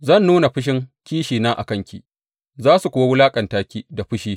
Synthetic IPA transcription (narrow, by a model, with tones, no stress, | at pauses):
zɐ˦˨nːuː˦na˨ɸɪ˦ʃ̬ɪ˦ŋkʲiː˦ʃiː˨naː˦ʔa̰˨kɐ˦ŋkʲḭ˨ | zaː˦su˨kʷʊ˨wa˦wʊ˦laː˦kʼɐ˨ntaː˦kʲiː˦da˨ɸʊ˦ʃiː˦